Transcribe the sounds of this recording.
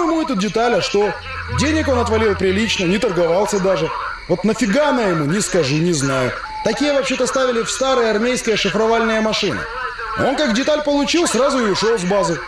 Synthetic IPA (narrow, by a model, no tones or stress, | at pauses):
ɪmuɛt̪udʲɪt̪alʲɐʂt̪o̞ | dʲenʲɪko̞nɐt̪vɐlʲilˠpɾʲɪlʲit͡ɕnənʲɪt̪ərɡɐvalˠsʲəd̪aʐɨ | vo̞t̪nəfʲɪɡanəjɪmunʲɪskɐʐɨnʲɪznajʊ | t̪ɐkʲijəvɐpɕe̞t̪əɐst̪avʲɪlʲɪfst̪aɾɨjəɐrmʲejskəjəʂɨfɾɐvalʲnɨjəmɐʂɨnɨ̰ | o̞nkakdʲɪt̪alʲpəlˠʊt͡ɕilˠsrazʊɪʊʂolˠvbazɨ